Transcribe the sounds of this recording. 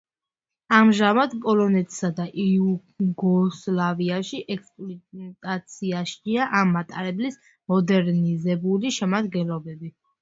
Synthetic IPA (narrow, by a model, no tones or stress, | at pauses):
amʒamad̪pʼɔlɔnɛt̪ʰʼsad̪aʔiu | ɡɔslaviaʃiʔɛkspʼlɔt̪ʼat̪sʰiaʃiaʔamːat̪ʼaɾɛblis | mɔd̪ɛɾnizɛbuliʃɛmad̪ɡɛnlɔbɛbi